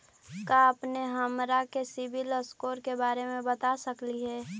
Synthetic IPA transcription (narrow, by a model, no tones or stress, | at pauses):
kaəpneɦəmɾakesɪbɪləskoːɾkebaːɾemẽbət̪asəkliɦɛː